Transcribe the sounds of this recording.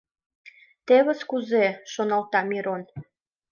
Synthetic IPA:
t̪eβə̆skuzeʃonɑlt̪ɑmiɾon

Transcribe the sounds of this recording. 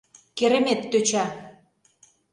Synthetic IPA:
keɾĕmet̪ːøt͡ɕa

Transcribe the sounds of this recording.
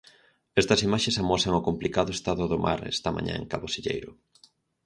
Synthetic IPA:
ɛst̪ɐsimaʃesamɔsɐŋʊkomplikaðʊest̪aðʊðomʔa̰ɾɛ̰st̪ɐmã̰ɲã̰eŋkaβosiʎḛjɾʊ

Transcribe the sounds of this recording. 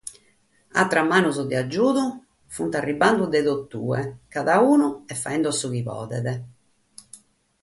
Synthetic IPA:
a̰t̪ːɾamːaːnuzɔd̪iad͡ʒːuːðu | funt̪arːiband̪ud̪ɛðot̪ːṵːɛkaðauːnuɛfːaɛnd̪uasːuɣiβɔ̰ːðɛðɛ

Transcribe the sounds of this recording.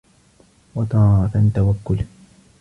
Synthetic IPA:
wɑt̪ˤɑːɾɑt̪at̪awakːʊl

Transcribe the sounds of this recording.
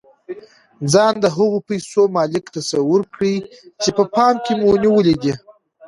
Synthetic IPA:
d͡zɑnd̪əɦaɣopajsomɑlɪkt̪asawʊɾkɽi | t͡ʃepəpɑmkʲemuniwəlid̪i

